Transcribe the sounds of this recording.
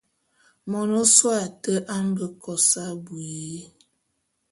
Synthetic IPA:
mɔ˨no˦swa˨tə˦ʔa˦ŋ˦ɡə˦kɔ˨sa˦bwi˨˦

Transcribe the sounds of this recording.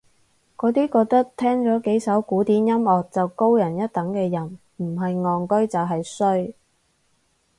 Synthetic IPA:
kɔː˨˧˥t̪iː˥kɔː˧k̚t̪ɐ˥k̚t̪ʰɛː˥ŋt͡sɔː˨˥ke˨˥jsɐ˨˥wkuː˨˥t̪iː˨˥njɐ˥mɔː˨˩k̚t͡sɐ˨wko˥wjɐ˨˩njɐ˥t̚t̪ɐ˨˥ŋkɛː˧jɐ˨˩n | m̩˨˩ɦɐ˨jŋɔː˨ŋkɵ˥ɥt͡sɐ˨˩wɦɐ˨jsɵ˥ɥ

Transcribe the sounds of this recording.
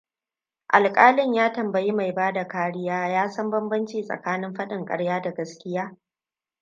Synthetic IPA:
ʔa˨lkʼaː˦lɪ˦ɲjaː˦tɐ˨mbɐ˨ji˦ma˨jbaː˦da˨kaː˦ɽɪ˦jaː˦jaː˦sɐ˦mbɐ˦mbɐ˦nt͡ʃiː˨sʼɐ̰˨kaː˦nɪ˦mɸɐ˦ɗɪ˨ŋkʼɐ̰˦ɽjaː˦da˨ɡɐ˦skʲɪ˦jaː˦

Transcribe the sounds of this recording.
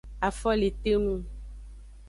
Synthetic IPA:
a˨fɔ˦le˨t̪e˦nũ˦

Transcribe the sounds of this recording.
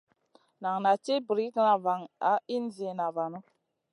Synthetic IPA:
na˨ŋna˨t͡ʃe˦bɾi˦kna˨va˨ŋa˨˦i˦nzi˨e˨na˨va˨nu˦

